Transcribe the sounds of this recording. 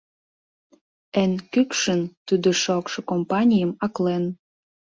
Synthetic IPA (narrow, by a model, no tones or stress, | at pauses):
enkykʃə̆nt̪ud̪oʃokʃɤ̆kompɑnʲijəmɑklen